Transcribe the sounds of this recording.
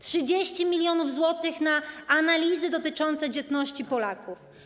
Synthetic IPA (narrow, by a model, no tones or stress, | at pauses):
tʂɘd͡ʑeɕt͡ɕimʲilʲjɔnuvzwɔt̪ɘxnaanalʲizɘd̪ɔt̪ɘt͡ʂɔnt̪sɛd͡ʑɛt̪nɔɕt͡ɕipɔlakuf